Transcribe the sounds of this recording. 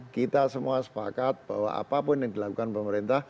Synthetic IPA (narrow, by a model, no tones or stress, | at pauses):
kit̪asəmuasə̥pa̰kat̪̚b̥awa̰a̰papʊnjɪŋd̪ilakukanpəməɾint̪ah